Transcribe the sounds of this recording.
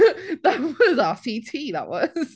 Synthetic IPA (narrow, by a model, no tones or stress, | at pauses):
ðət̚wʌzɑsitʰiðə̰ʔ̚wʌz̥